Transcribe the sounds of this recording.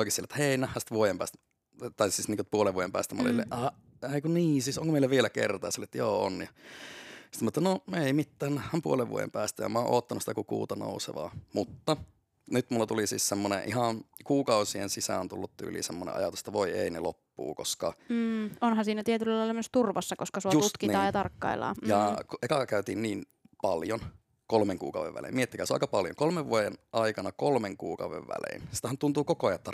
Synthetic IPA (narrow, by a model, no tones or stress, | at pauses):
oikisielːtet̪ːæheˑinæhːæsi̥t̪ʋuojempæ̰ːst̪ | t̪ɑisiːsniːkopuoleʋuojempæ̰ːst̪æmɑ̰lḭlːḛʔɑ | eikuniːsiːsoŋkomeilæʋielækḛrt̪ɑˑːselːˑet̪joːo̰njɑ | si̥t̪mɑet̪ːnomeimit̪ːæːnnæhːæmpuoleʋʋuo̰jḛmpæːst̪æjɑ̰mɑːʔo̰ːt̪ːɑnusi̥t̪ækukṵːt̪ɑno̰ˑusḛʋɑ̰ːmut̪ːɑ | nyt̪mulːɑt̪ulisiːssemːonḛ̃ʔihɑnkuːkɑusiensisæont̪ulːut̪t̪y̰ːlḭːsemːonḛʔɑ̰jɑt̪use̥t̪ːɑʋoieinelo̰pːṵːkoskɑ | onhɑnsiːnæt̪iet̪ylːɑlɑilːɑyøst̪urʋɑsːɑkoskɑsuojusut̪kit̪ɑːjɑt̪ɑrkːɑ̰ilɑ̰ːjɑkʔekɑkæyt̪iːnniːn | pɑljon | kolmeŋkṵːkɑuʋḛʋʋæ̰lḭːmiet̪ːikæːsɑ̰ikɑpɑljo̰ŋkolmeʋʋuojenʔɑikɑnɑkolmeŋkuːkɑuʋḛʋʋæ̰lḛːnsi̥t̪æhænt̪unt̪uːkokoɑjɑt̪ːɑ